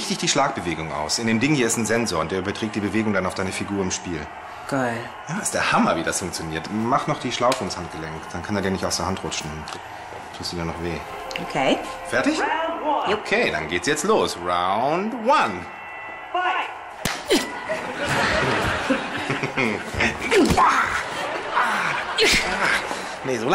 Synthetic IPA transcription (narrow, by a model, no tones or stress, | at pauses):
ɪçd̥ɪçd̥iːʃlaːkb̥əveːɡʊŋʔa̰ʊsʔɪndeːndɪŋənhiːɐɪstn̩zɛnzoːɐʊntd̥ːɐʔybɐtʁ̥ɛːk̚td̥iːbəveːɡʊŋdanaʊfd̥aɪnəfiɡuːɐɪmʃpiːl | ɡ̥a | jaːɪstd̥eːɐhamɐviːdasfʊŋk̚t͡sjoniːɐtmaχnɔχd̥iːʃlaʊfəʊnshant̚ɡ̥əlɛŋkd̥ankʰaneːɐdiːɐnɪçtaʊsd̥eːɐɦantʁ̥ʊt͡ʃn̩ʊnt | tʰuːstd̥iːdanɔχv̥eː | ʔokʰeːfɛɐtɪç | okʰeːda̰nɡeːtsjɛt͡stloːsʁaʊndwan | ja | a | nezoːl